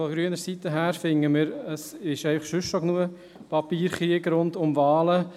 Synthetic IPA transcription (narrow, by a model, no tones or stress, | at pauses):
fɔɡɾyənəɾsitəɦæːɾfɪŋːəmɪɾəsɪʃɛɪfɑχʃʏʃʃoknuə | pɑpiːɾχɾiəɡɾʊntʊmvɑːlə